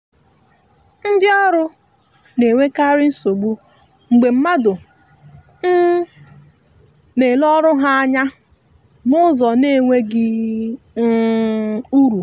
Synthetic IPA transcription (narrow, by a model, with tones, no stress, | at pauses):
n̩˦dɪ˦ɔ˦ɾʊ˦ | ne˨ŋʷe˦ka˦ɾɪ˦n̩˦so˨ɡ͡bu˦ | ŋ͡m̩˨ɡ͡be˨m̩˦ma˦dʊ˨ | n̩˦ | ne˨lɔ˦ɾʊ˦ɦa˦a˦ɲa˦ | nʊ˦zɔ˨ne˦˨ŋʷe˦ɡɪ˦ | u˦ɾu˨